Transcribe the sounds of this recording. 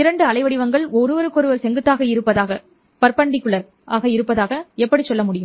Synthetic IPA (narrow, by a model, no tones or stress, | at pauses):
ɪɾɐɳɖɯɐɭɐɪʋɐɽɪʋɐŋɡɐɭɔɾɯʋɐɾɯkːɔɾɯʋɐɾsɛŋɡɯt̪ːaːɣɐɪɾɯpːɐðaːɣɐ | pɐɾpɐɳɖɪkːɯɭɐɾ | ʔaːɣɐɪɾɯpːɐðaːɣɐɛpːɐɽit͡ʃːɔlːɐmʊɽɪjɯm